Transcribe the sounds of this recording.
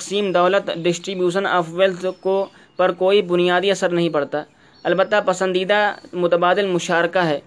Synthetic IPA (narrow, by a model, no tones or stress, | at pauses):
t̪ɐqsiːmd̪ɔːlət̪ɖɪsʈɾiːbjuːʃəna̰ːpʰʋelsko | pɐɾkoːibʊnijaːd̪iɐsəɾnɐɦĩpɐɽt̪aː | ɐlbət̪ːapɐsə̃nd̪iːd̪amʊt̪əbaːd̪ɪlmʊʃaːɾkaɦɛː